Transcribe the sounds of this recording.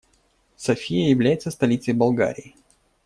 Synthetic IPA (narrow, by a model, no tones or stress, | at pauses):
sɐfʲijəjɪvlʲæjɪt̪səst̪ɐlʲit̪səjbɐlˠɡa̰ɾʲɪː